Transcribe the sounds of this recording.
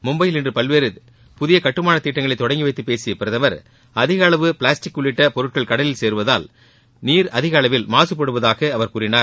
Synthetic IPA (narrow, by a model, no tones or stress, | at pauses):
mʊmbɐjɪlɪndrɯpɐlʋeːɾɯ | pʊðɪjɐkɐʈːɯmaːnɐt̪iːʈːɐŋɡɐɭɐɪt̪ːɔɽɐŋɡɪʋɐɪt̪ːɯpːeːsɪjɐpɪɾɐðɐʋɐɾ | ɐðɪɣɐɐːɭɐʋɯpɪɭaːsʈɪkːʊɭːɪʈːɐpɔɾɯʈ̚kɐɭkɐɽɐlɪlseːɾɯʋɐðaːl | niːɾɐðɪɣɐaːɭɐʋɪlmaːsɯp̬ːɐɽɯʋɐðaːɣɐɐʋɐɾkuːɾɪnaːɾ